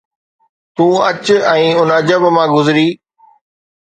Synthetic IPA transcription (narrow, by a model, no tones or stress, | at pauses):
t̪ũːɐt͡ɕɛ̃ːʊnɐd͡ʑəbmãːɡʊzɪɾiː